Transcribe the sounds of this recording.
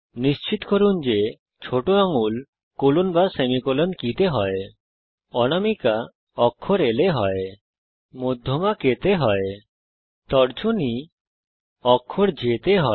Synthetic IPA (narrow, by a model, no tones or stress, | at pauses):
nist͡ʃit̪kɔɾund͡ʒe | t͡ʃʰoʈoaŋul | kolunbasemikɔlənkit̪eɦɔe | ɔñamika | ɔkʰːɔɾeleɦɔe | mɔd̪ʱjɔmaket̪eɦɔe | t̪ɔɽd͡ʒʰuni | ɔkʰːɔɾd͡ʒit̪eɦɔ